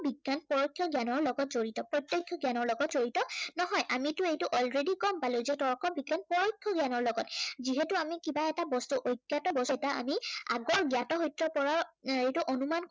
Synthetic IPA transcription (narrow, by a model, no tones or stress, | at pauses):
biɡjanpɔɹojkʰːjɔɡjanɔɹlɔɡɔtzoɹitɔpɹɔtjɔkʰjɔɡjanɔɹlɔɡɔtzoɹitɔnɔɦɔjʔamitʊejtuʔɔlɹedikɔmpalezetɔɹkʰɔbiɡjanpɔɹojkʰːjɔɡjanɔɹlɔɡɔtziɦɛtuamikibaɛtabɔstuʔojɡjatɔbɔstaa̰mia̰ɡɔɹɡjatɔɦɔjtːɹɔpɔɹaɹejtuʔonuman